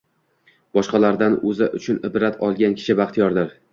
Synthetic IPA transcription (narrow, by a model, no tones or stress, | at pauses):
b̥ɒʃqɑlaɾd̪anɵzaʔʊt͡ʃʰʊnɪbɾat̪ʰɒlˠɡʲankʲʰɪ̥ʃɪbaχt̪ʰijɒɾd̪ɪɾ